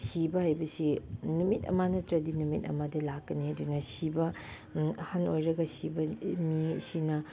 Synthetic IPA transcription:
sibɐhajbɐsinumitɐ̰manɐtɾɐdinumitɐ̰madɐlakːɐniɐdunɐsibɐ | hanojɾɐɡɐsibɐmisinɐ

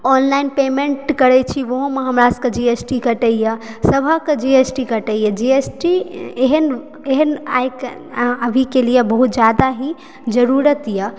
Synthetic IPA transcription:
ɔnlainpemẽɳʈkəɾɛt͡ʃʰiʋoɦõmeɦəmɾasked͡ʒiesʈikəʈəjəsəbʱəked͡ʒiesʈikəʈəjed͡ʒiesʈieɦən | eɦəna̰jk | əbʱikelijebəɦut̪̚d͡ʒjad̪aɦi | d͡ʒəɾuɾət̪ijə

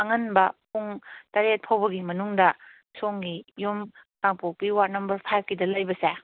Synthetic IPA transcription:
ɐŋɐnbɐpʰuŋtɐɾet̚pʰawbɐɡimɐnuŋdɐ | soŋɡijomtaŋpok̚piwaɾnɐmbɐɾpʰajp̚ʰkidɐlɐjbɐse

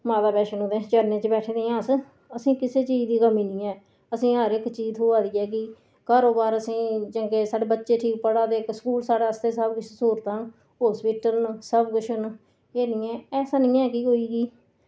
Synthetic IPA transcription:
maːd̪aːpɛːʃənɦoːd̪ẽːt͡ʃəɾneːt͡ʃbɛːʈʰẽːd̪ẽːãːs | əsĩːkɪseːt͡ʃiːd͡ʒd̪iːkəmĩːnĩːɛː | əsĩːɦəɾɪkt͡ʃiːt̪oːaːd̪iːɛːk̬ɪ | kaːɾoːbaːɾəsĩːt͡ʃə̃ŋkeːsaːɽeːbətːʃeːʈʰiːk̚pəɽaːd̪eːksə̥kuːlsaːɽeːəst̪eːsəbɡʊʃʰsuːɾt̪ãː | ɦoːspiːʈəɾnsəbɡʊʃən | eːniːɛ̃ːɛːsaːnĩːɛːkiːɦoːiːɡiː

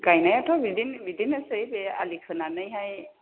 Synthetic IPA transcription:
ɡajnajatʰɔbidinbidinɛsɯjbɛa̰likʰɯnanajɦaj

